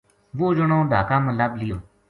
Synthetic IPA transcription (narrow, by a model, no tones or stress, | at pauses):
ʋoːd͡ʒəɽõːɖ̪ʱaːkãːməlablɪjoː